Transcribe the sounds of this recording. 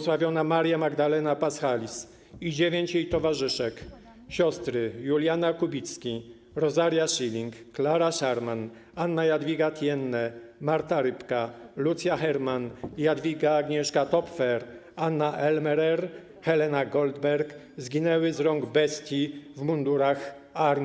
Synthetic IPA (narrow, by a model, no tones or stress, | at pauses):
swavʲjɔnamaɾjamaɡd̪alɛnapasxalʲis | id͡ʑevʲjeɲt͡ɕjejt̪ɔvaʐɘʂɛk | ɕɔst̪ɾɘjulʲjanakubʲit̪skʲi | ɾɔzaɾjaʂilʲiŋkːlaɾaʂaɾman | anːajad̪vʲjiɡat̪ʲjɛnːɛmaɾt̪aɾɘpkalut̪sʲjaxɛɾmanjad̪vʲiɡaːɡɲɛʂkat̪ɔpfɛɾ | anːaʔɛlmɛɾɛɾ | xɛlɛnaɡɔld̪bɛɾk | zɡʲinɛwɘzɾɔŋɡbɛst̪ʲjivmund̪uɾax | aɾmʲ